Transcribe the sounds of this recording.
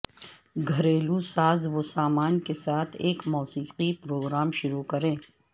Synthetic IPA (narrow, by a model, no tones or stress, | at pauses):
ɡʱɐɾeːlusaːzʋosaːmaːnkesaːt̪ʰeːkmɔːsiːqipɾoːɡɾaːmʃʊɾukɐɾẽː